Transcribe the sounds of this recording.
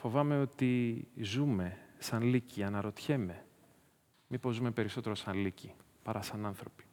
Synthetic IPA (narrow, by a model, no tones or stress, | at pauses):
fo̞vɐme̞o̞t̪izume̞sɐnliciɐnɐɾo̞t̪çe̞me̞ | mipo̞zume̞pe̞ɾiso̞t̪e̞ɾo̞sɐnlici | pɐɾʔɐsɐnɐnθɾo̞pi̥